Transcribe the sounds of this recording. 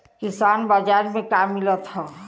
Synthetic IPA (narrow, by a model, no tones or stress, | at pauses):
kisanbad͡ʒaɾmekamːilət̪ɦɔ